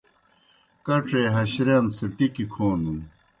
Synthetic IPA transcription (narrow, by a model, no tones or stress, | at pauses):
kɐʈ͡ʂʰeɦɐɕɾensiʈikikʰoːnd̪un